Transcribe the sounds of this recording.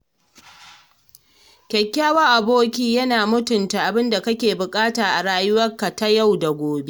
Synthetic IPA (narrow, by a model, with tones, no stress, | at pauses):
kʲɛ˨kʲːaː˦wɐ˦ʔa˨boː˦kʲiː˦jɐ˦naː˨mʊ˦tʊ˨nta˨ʔa˨bɪ˦nda˨kɐ˦kʲeː˨bʊ˨kʼaː˦taː˨ʔa˨ɽaː˦jʊ˦wɐ˦rka˨ta˦ja˦˨wda˨ɡʷoː˨be˦ʔ